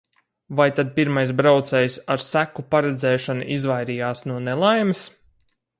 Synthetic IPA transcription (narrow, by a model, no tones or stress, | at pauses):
vajt̪ad̪̚piɾmajs̬bɾawt̪sɛjsaɾsækupaɾɛd̪zɛːʃanṵʔizvajɾijaːsnuɔnelˠajmis